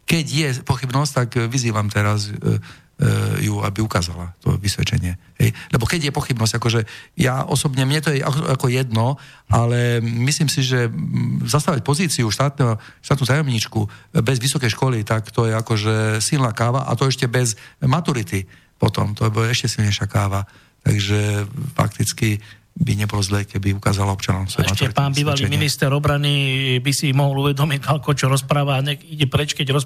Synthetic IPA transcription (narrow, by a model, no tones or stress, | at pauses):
kɛɟjɛpɔxibnɔsct̪akʋiziːʋamt̪ɛɾaz | jua̰biukaːza̰la̰t̪ɔ̰ʋisʋɛ̰t͡ʃɛ̰ɲɪɛɦɛ̰jlɛbɔkɛɟjɛpɔxibnɔszɟ̥akɔʒɛjaʔɔsɔbɲɛmɲɛt̪ɔjɛʔa̰kakɔjɛd̪nɔalɛmisliːmsiʒɛzast̪aʋac̚pɔziːt͡siuʃt̪aːt̪nɛɦɔ | ʃt̪aːt̪nut̪ajɔmɲiːt͡ʃkubɛzʋisɔkɛjʃkɔlit̪akt̪ɔjɛakɔʒɛsilnaːkaːʋaʔa̰t̪ɔɛʃcɛbɛzmat̪uɾit̪i | pɔt̪ɔ̰mt̪ɔbɔlaɛʃcɛsilɲɛjʃɪakaːʋa | t̪a̰ɡʒɛfa̰kt̪it͡ski | biɲɛbɔlɔzlɛkɛbiuka̰ːzalaɔpt͡ʃanɔʊmfsɔ̰jmatuɛɾipaːniːʋaliminist̪ɛɾɔbɾanibisimɔɦɔluʋɛd̪ɔmialkɔt͡ʃɔɾɔspɾaːʋaɲɛiɟɛpɾɛt͡ʃkɛɟɾɔs